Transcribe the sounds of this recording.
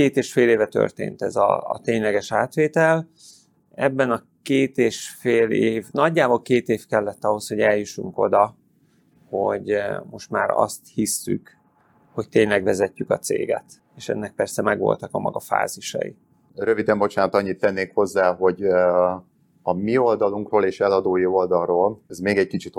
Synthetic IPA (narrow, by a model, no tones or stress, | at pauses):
keːt̪eːʃfeːleːvɛt̪ø̰rt̪ḛːnt̪ɛzɒ̰ːt̪eːɲlɛɡɛʃaːt̪ʋeːt̪ɛl | ɛbːɛnɒ | keːt̪eːʃfeːleːvnɒɟːaːbolkeːt̪eːfkɛlːɛt̪ːɒɦo̞sho̞ɟɛljuʃuŋko̞̰d̪ɒ | ho̞̰ɟmo̞ʃt̪maːɾɒ̰st̪hisːy̰k | ho̞c̚t̪eːɲlɛɡʋɛzɛcːykɒt̪sḛːɡɛ̰t̪ | eːʃɛ̰nːɛk̚pɛrsɛmɛɡʋo̰lt̪ɒkɒmʔɒ̰ɡɒfa̰ːziʃɒ̰jḭ | røvid̪ɛmbo̞t͡ʃaːnɒt̪ɒɲːit̪ːɛnːeːkho̞zːaːɦo̞ɟ | ɒmio̞ld̪ɒluŋkroːleːʃɛlɒd̪oːjio̞ld̪ɒrroːlɛzmeːɡɛɟkit͡ʃit̪